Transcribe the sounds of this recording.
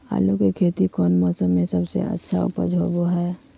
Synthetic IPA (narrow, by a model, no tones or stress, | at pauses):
a̰ːlukekʰeːt̪ikɔːnmɔːsəmːẽsəbsḛʔə̰tːʃʰaɔ̰pəd͡ʒʱoːboɦɛː